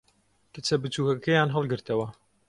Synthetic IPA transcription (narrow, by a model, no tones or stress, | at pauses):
kɨt͡sʰɐbɨt͡suːkɐkejaːnɦɐlˠɡɨɾt̪ɐwɐ